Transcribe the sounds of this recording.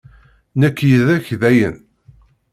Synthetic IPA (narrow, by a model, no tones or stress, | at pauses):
nəkːjəðæçðæjə̰n